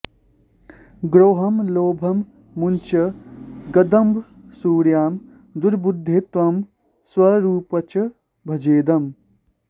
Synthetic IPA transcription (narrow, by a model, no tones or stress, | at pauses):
ɡɾoːɦɐmloːbʱɐmː | unt͡ʃɐɡɐd̪ɐmbʱ | suːɽjaːm | d̪uɾbud̪ʱːet̪ʋɐm | swɐɾuːpɐt͡ʃɐ | bʱɐd͡ʒeːd̪ɐm